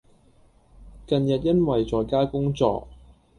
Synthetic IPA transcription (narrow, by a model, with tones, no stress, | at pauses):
kɐ˨njɐ˨t̚jɐ˥nwɐ˨jt͡sɔː˨jkaː˥kʊ˥ŋt͡sɔ̰ː˧k̚